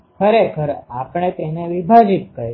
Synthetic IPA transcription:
kʰəɾekʰəɾapɳ̃et̪eneʋibʱad͡ʒit̪̚kəɾ

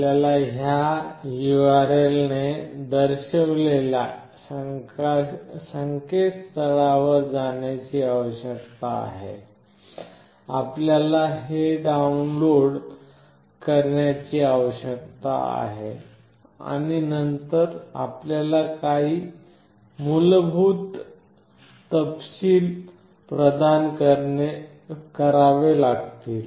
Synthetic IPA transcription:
ljalaɦjajuaɾelned̪əɾɕəʋlelja | səŋkest̪ʰəɭaʋəɾd͡zaɳjat͡ɕiːaʋəɕəkt̪aa̰ɦḛ | apljalaɦeɖaunloɽ | kəɾɳjat͡ɕiːaʋəɕək̚t̪a̰a̰ɦḛ | a̰ɽ̃inənt̪əɾa̰pljalakaɦiː | mulbʱuːt̪ | əpsiːl | pɾəd̪ankəɾe | kəɾaʋelaɡt̪iːl

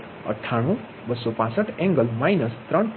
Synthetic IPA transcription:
ʌ̰ʈʰːaɽ̃ũ | bʌsopãsʌʈʰẽŋɡʌlmajnʌst̪rʌn

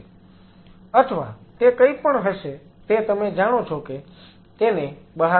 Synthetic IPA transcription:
ət̪ʰəʋa̰t̪ekəipəɳɦəʃet̪et̪əmed͡ʒaɽ̃ot͡ʃʰoke | t̪enebəɦa

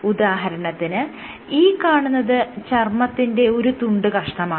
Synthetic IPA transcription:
ud̪aːɦɐɾɐɳɐt̪ːinɨ | iːkːaːɳunːɐðɨt͡ɕɐrmɐt̪ːinde̞o̞ɾut̪uɳɖɨkɐʂʈɐmaː

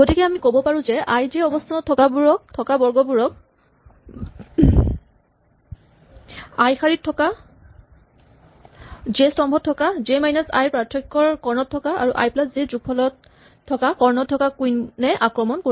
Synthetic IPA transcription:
ɡotikɛamikobɔpaɹũzɛʔajzeɔbɔstʰanɔtʰːɔkabuɹɔk̚tʰɔkabɔɹɡɔbuɹɔk̚ | ajxaɹitʰːɔka | zestɔmbʱɔtʰːɔkazemajnasa̰jpɹatʰɹɔkːɔɹkɔɹnɔtʰːɔkaa̰ɹuʔa̰jplaszezupʰːɔlɔtʰː | ɔkakɔɹnɔtʰːɔkakujnɛʔakɹɔmɔnko

